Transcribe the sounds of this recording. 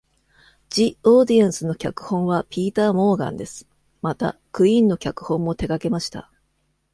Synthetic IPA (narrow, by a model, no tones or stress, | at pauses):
d͡ʑioːd̪iãɰ̃sɨno̞kʲakɯ̟̥hõ̞ɰ̃βapʲiːt̪aːmo̞ːɡã̰nd̪e̞sɨ̥ | mat̪a̰kɯ̟ĩnːo̞kʲakɯ̟̥hõ̞mːo̞t̪e̞ɡake̞maɕi̥t̪a̰